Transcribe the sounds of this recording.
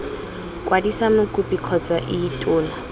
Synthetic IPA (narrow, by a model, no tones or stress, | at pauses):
kwadisamʊkupʼikʰɔt͡saʔɪːtʼʊːna